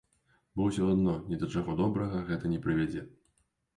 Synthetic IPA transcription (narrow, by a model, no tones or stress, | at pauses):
bɔwwsʲɔad̪nɔnʲɛd̪ɐt͡ʂaɣɔd̪ɔbɾɐɣɐɣɛt̪ɐnʲɛpɾɨvʲad͡zʲɛ